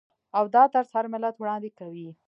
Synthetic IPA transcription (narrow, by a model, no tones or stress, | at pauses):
awd̪ɑt̪əɾshaɾmɪlat̪wɽɑnd̪ekawi